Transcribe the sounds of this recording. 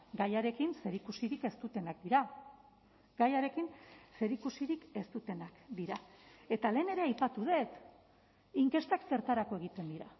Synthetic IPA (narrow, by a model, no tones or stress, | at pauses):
ɡajaɾe̞kinse̞ɾikusiɾike̞st̪ut̪e̞nakd̪iɾa | ɡajaɾe̞kinse̞ɾikusiɾike̞st̪ut̪e̞nakd̪iɾae̞t̪ale̞ːne̞ɾe̞ajpat̪uð̞e̞t̪ | iŋke̞st̪akse̞ɾt̪aɾako̞e̞ɣ̞it̪e̞nd̪iɾa